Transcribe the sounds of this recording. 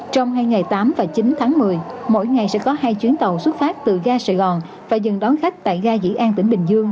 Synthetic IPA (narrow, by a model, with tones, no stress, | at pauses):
t͡ɕɔ˧wŋ͡mɦaː˧jŋa˨˩jt̪aː˨˦mvaː˨˩t͡ɕi˨˦nt̪ʰaː˨˦ŋmɨ˨˩əjmo̰˧˥jŋa˨˩jsɛ̰˧˥kɔ˨˦ɦaː˧jt͡ɕwi˨˦ənt̪ə˨˩wswə˦˥t̚faː˦˥t̚t̪ɨ˨˩ɣaː˧saː˨˩ɣɔ˨˩n | vaː˨˩zɨ˨˩ŋɗɔ˨˦nxa˦˥k̚t̪a̰ː˧˨jɣaː˧zḭ˧˥ʔaː˧nt̪ï˧˩ŋ̟ɓï˨˩ŋ̟zɨ˧əŋ